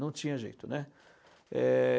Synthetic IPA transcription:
nɐ̃w̃t͡ʃĩɲɐʒḛjt̪ʊnɛ | ɛ

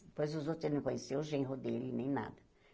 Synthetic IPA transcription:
pojzʊzowt̪ɾzelnɐ̃kõɲesewʊʒẽjɦod̪elɪnẽj̃na̰d̪ɐ

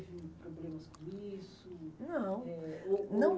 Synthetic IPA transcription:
vɪ̃pɾoblẽmɐskõisʊnɐ̃w̃ɛonɐ̃w̃

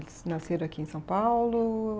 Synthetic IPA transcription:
lsnɐseɾɐ̃ɐkiẽj̃sɐ̃w̃pawlˠu

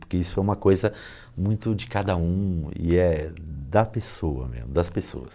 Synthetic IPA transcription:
poɾkeisʊɛũmɐkojzɐ | mũj̃t̪ʊd͡ʒɪkad̪ɐũɪ̰ɛd̪ɐpesoɐ̰mḛzmʊd̪ɐspeso̰ɐ̰s

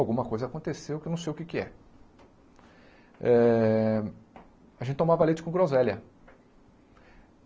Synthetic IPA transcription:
wɡũmɐkojzɐaːkõnt̪esewkɪnɐ̃w̃sejʊkɪkɪɛ̰ | ɛ | aʒẽt̪ɪt̪õmavɐlet͡ʃɪ̥kõɡɾozɛljɐ

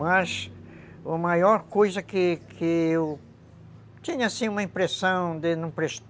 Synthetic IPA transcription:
mɐs | ʊmajɔɾkojzɐkɪkʰɪew | t͡ʃ̪ĩɲɐasĩũmɐĩpɾesɐ̃w̃d̪ɪnɐ̃w̃pɾeʃt̪

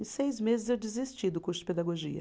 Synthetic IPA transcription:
ẽsejzmezɪzewd͡ʒɪzist͡ʃid̪ʊkuɾsʊd͡ʒɪ̥ped̪aɡoʒiɐ̰

